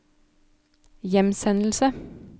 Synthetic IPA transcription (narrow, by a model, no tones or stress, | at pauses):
jɛmsɛnl̩sə